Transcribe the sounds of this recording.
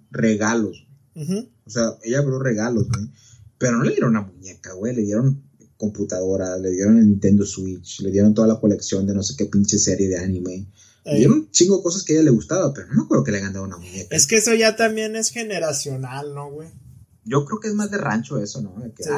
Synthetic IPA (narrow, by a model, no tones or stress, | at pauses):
re̞ɣalo̞swwe | oseaeʝaβlore̞ɣalo̞zwe | pe̞ɾo̞no̞le̞ðjeɾonunamuɲe̞kaɣwe̞jle̞ðje̞ɾo̞ŋ | ko̞mput̪að̞o̞ɾasle̞ðje̞ɾo̞nnĩnt̪e̞nd̪oswit͡ʃle̞ðje̞ɾont̪oðalako̞le̞ksjo̞nd̪e̞no̞se̞ke̞pint͡ʃeseɾjeð̞eanĩme̞ | eðjeɾont͡ʃiŋɡoekos̬aske̞eʝale̞ɣust̪aβape̞ɾoʝono̞kɾe̞okeleaɣand̪aðunamũɲekaeskeesoʝat̪ambje̞ne̞sxeneɾasjo̞nalnoɣwe | ɟ͡ʝo̞kɾeokeezmazðera̰nt͡ʃo̞e̞so̞noeke